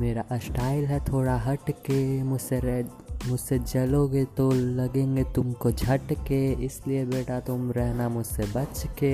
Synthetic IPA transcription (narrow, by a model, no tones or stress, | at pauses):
meːɾaʔsʈaːɪlɦɛt̪ʰoːɽaɦɐʈkemʊd͡ʒseɾɛɦ | mʊd͡ʒsed͡ʒɐloːɡet̪olɐɡẽːŋɡet̪ʊmkod͡ʒʱɐʈkeɪsliebeːʈat̪ʊmɾɛɦnamʊd͡ʒʱsebɐt͡ʃke